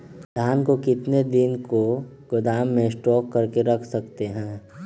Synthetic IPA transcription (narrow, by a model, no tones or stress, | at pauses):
d̪ʱaːnkokɪt̪ned̪ɪnko | ɡ̥ʊd̪aːmːẽsʈɔːkːɐɾkeɾɐkʰsɐkt̪eɦɛ̃ː